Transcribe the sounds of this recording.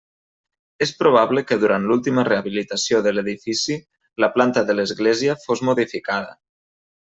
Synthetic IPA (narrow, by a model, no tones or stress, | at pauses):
espɾoβ̞aβləkəðuɾant̪lulˠt̪iməreaβilit̪asioðəleðifisi | ləplant̪əðələzɣleziəfozmoðifikaðə̰